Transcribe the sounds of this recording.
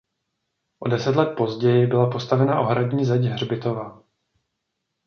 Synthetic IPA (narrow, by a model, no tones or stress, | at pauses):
ʔo̞̰dɛsɛt̪lɛt̪̚po̞zɟɛjɪbɪlapo̞st̪avɛnaʔo̞ɦɾaɟɲiːzɛɟɦr̝bɪt̪o̞va